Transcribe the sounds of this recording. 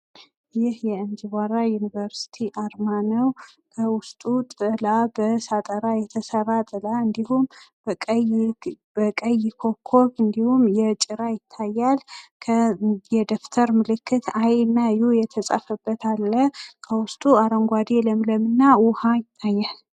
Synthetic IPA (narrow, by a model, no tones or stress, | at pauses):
jɪhjɛɨnd͡ʒ̪iβʷaɾajunivəɾsi̥t̪ʰiʔaɾmanəw | kʰəwʊst̪ʼut̪ʼɨlabəsat̪ʼəɾajɛt̪ʰəsəɾːat̪ʼɨlaɨnd̪ihumʼ | bəkʼəjɪkʰo̞kʰːo̞βɨnd̪ihumjɛt͡ʃʼɪɾajɪt̪ʰːajːalkʰjɛd̪oft̪ʰəɾmɨlɨkʰːɨt̪ʰajnːajujɛt̪ʰəsʼa̰fəbːət̪ʰalːəhkʰəwʊst̪ʼuaɾəŋɡʷad̪eləmləmɨnːawʊhajɪt̪ʰːajːal